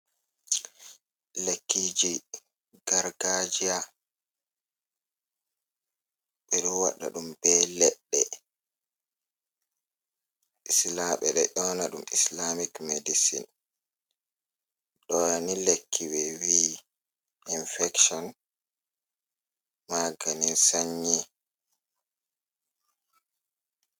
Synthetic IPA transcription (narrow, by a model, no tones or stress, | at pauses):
lekːid͡ʒi | ɡ̥aɾɡad͡ʒija | ɓɛɗɔwa̰ɗːa̰ɗumbɛlɛɗːɛ̰ | ʔislaɓɛɗɛ̰ʔɔnaɗumislamikmedisḭn | ɗɔanilekʰːiwɛwi | ʔinfɛkʃɔn | maɡaninsaɲːi